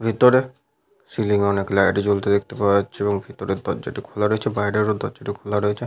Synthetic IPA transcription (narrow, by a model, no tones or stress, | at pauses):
bʱit̪oɾe | siliŋɔneklaaʈid͡ʑolt̪ed̪ek̚ʰt̪epaeatːɕʰeeboŋbʱit̪oɾed̪ɔd͡ʑaʈikʰolaɾoet͡ɕʰebaɦiɾeɾod̪ɔd͡ʑaʈikʰolaɾoet͡ɕʰe